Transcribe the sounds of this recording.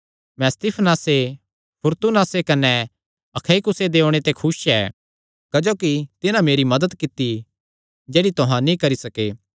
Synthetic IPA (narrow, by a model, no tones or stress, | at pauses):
mɛ̃st̪iːpʰnaːse | pʰʊɾt̪unaːsekɐnɛ | ɐkʰaikʊsed̪eːoɽ̃et̪ekʰʊsɛː | kɐd͡ʒoːkit̪ɪnãmeːɾimɐd̪əd̪kɪt̪ːi | d͡ʒɛːɽit̪ʊɦãnĩkɐɾisɐkeː